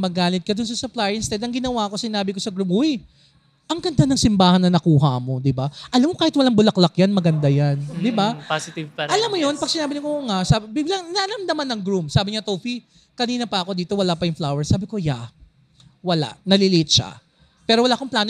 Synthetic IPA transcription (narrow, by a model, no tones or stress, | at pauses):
mɐɡaːlɪt̪̚kɐd̪ʊns̬ɐsʊplajɪnst̪ɛd̪ɐŋɡɪnɐwaɐko̞sɪnaːbɪkosɐɡɾʊmuj | ʔɐŋɡɐnd̪anɐŋsɪmbaːhɐnːɐnɐkuːɦɐmo̞d̪ɪbaʔɐlamːokaːhɪt̪wɐlaŋbʊlɐklɐkjanmɐɡɐnd̪ajand̪ɪbapasɪt̪ɪvpɐʔɐlamːojonpɐɡ̚sɪnaːbɪnɐkoŋasabɪɡlaŋnɐʔɐlɐmd̪ɐmanːɐŋɡɾumsaːbɪɲat̪owfi | kɐniːnɐpɐʔɐko̞d̪iːt̪o̞wɐlapɐjʊŋflawɛɹsaːbɪko̞ja | wɐla̰ʔnɐlɪliʔɪt̪̚ʃa̰ | pɛːɾo̞wɐlaʔɐkoŋplaːn